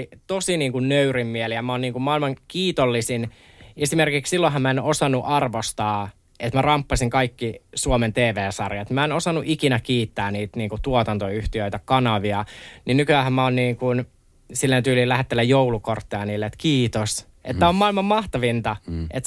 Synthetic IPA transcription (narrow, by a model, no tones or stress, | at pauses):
t̪osiniːŋkunnøyrimmielijɑmæoːniːŋkummɑilmɑŋkiːt̪olːisin | esimerkikssilːoɦɑmæenosɑnːuʔɑrʋost̪ɑː | et̪mærɑmpːɑsiŋkɑikːisuoment̪eːʋeːsɑrjɑt̪mæenosɑnːuʔikinækiːt̪ːæːniːt̪niːŋkut̪uot̪ɑnt̪oyht̪iøit̪ækɑnɑʋiɑninykyæhæmmæoːnniːŋkun | silːent̪yːliːlæhet̪ːelːæjjowlukort̪ːeɑniːlːeet̪kiːt̪os | ʔet̪ːæommɑilmɑmmɑht̪ɑʋint̪ɑḛt̪